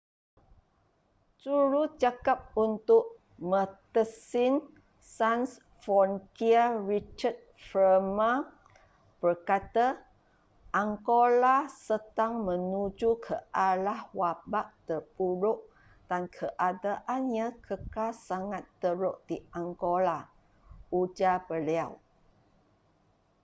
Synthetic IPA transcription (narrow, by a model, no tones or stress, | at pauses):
suɾud͡ʒakap̚unt̪ʊʔ | mə̃t̪əsin | sans | fɔnkiarit͡ʃəd̚fəma | b̥ərkat̪a | ʔaŋkolasət̪aŋmə̃nud͡ʒukʰəʔalahwabaʔ̚t̪ərbuɾʊʔ | d̥ankʰəʔadaʔanɲãkʰəkasaŋat̪ːəɾoʔd̥iaŋɡola | ud͡ʒabəliaw